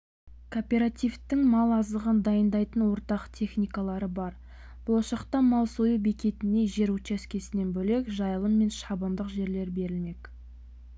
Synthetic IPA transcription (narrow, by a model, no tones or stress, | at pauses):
kʰopʲe̞ɾat̪ijft̪ːɪŋmɑlˠɑzləʁənd̪ɑjənd̪ɑjt̪ənwo̞ɾt̪ɑqt̪ʲʰe̞χnijkalˠɑɾəbɑɾ | b̥ʊlˠɑʃɑqt̪ɑmɑlˠsojube̞kʲe̞t̪ɪne̞ʒe̞ɾut͡ʃæskʲe̞sɪne̞nbɵle̞kʒɑjəlˠəmmːe̞nʃɑbənd̪əqʒe̞ɾle̞ɾbe̞ɾɪlme̞k